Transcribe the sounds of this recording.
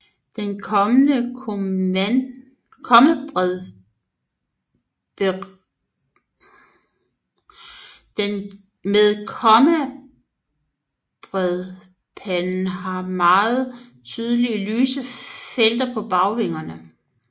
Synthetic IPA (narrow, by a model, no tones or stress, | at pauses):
d̥enkʰɒmənəkʰ | kʰɒ̽mæ̥ | d̥en | meðˠkʰɒmæ | b̥ʁɛðˠ | pʰænn̩ɦɑ̈mɑ̈ːð̩ˠt͡sʰyːðˠəliəlyːsəfel̰d̥ɐpʰɒ̽b̥ɑ̈ʊʋe̝ŋ̰ɐnə